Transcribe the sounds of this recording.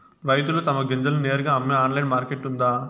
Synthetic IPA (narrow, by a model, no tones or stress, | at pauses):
ɾɐjt̪̬ulut̪ɐmɐɡend͡ʒ̪ɐluneːɾuɡaːɐmːeaːnlɐjnmaːɾkeʈːund̪aː